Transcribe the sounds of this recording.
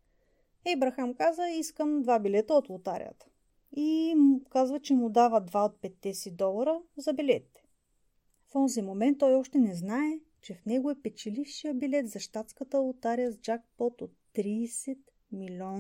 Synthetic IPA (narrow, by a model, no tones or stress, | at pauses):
ɛbɾɐxamkazəiskəmd̪vabilɛt̪əot̪lˠʊt̪aɾḭjə̰t̪ə̥ | imkazvət͡ʃɛmʊd̪avəd̪vaot̪̚pɛt̪ːɛsɛd̪ɔlˠɐɾəzɐbilɛt̪it̪ɛ̥ | fɔnzimomɛnt̪ːɔjɔʃt̪ɛnɛznaɛ | t͡ʃɛfnɛɡoɛpɛt͡ʃɛlifʃijəbilɛt̪zɐʃt̪at̪skət̪əlˠʊt̪aɾijəzd͡ʒak̚pɔt̪ot̪ːɾiːsɛt̪ | milʲɔn